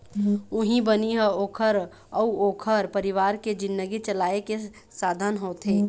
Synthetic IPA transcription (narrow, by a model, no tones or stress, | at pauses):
ʊɦĩbəniɦəoːkʰəɾ | əuoːkʰəɾpəɾiʋaːɾked͡ʒɪ̃nd̪əɡit͡ʃəlaːeke | saːd̪ʱənɦoːt̪ɦẽː